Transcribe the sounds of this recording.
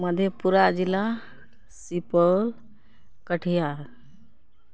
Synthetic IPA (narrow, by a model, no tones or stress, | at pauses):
məd̪ʱjepuɾad͡ʒilːa | sipəl | kəʈʰija